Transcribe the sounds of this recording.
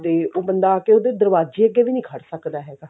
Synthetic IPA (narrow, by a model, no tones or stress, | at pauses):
d̪eːoːbənd̪aːkeoːd̪ed̪əɾʋaːzd͡ʒiːəɡːeːʋiːnĩːkʰəɽsəkd̪aːɦɛːɡaː